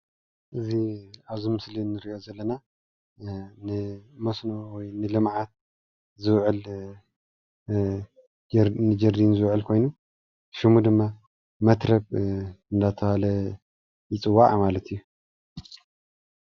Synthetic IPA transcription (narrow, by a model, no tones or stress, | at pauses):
ʔɨziaβzimɨslinːɨɾiʔo̞zɐlːɐna | nɨmɐsnowɔjnɨlɨmʕat̪̚ | zɨβʕɨl | nɨd͡ʒɐɾd̪inzɨβʕɨlkʰo̞jnu | ʃimud̪ɨmːa | mɐt̪ɾɐβɨnd̪at̪ʰɐhalɐ | jɪt͡sʼɨwːaʕmalɐt̪ʰijːu